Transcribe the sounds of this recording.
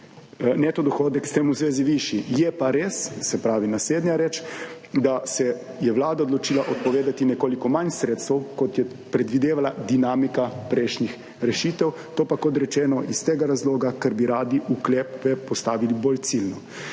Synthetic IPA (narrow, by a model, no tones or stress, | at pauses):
nɛt̪ɔd̪ɔxoːd̪ɛkst̪eːmuzʋeːziʋiːʃijɛpaɾeːssɛpɾaːʋinasleːd̪nɲjaɾɛt͡ʃ | d̪asɛ | jɛʋlaːd̪aod̪lɔt͡ʃiːlaʔɔt̪̚pɔʋeːd̪at̪inɛkoːlikɔmansɾeːt̪st̪ɐwkɔt̪jɛ | pɾɛd̪ʋid̪eːʋalad̪inaːmikapɾɛːʃɲix | ɾɛʃiːt̪ɛw | t̪oːpakɔt̪ɾɛt͡ʃɛːnɔʔist̪eːɡaɾazloːɡakɛɾbiɾaːd̪iʔuklɛːpɛpɔst̪aːʋiliboːlt̪silnɔ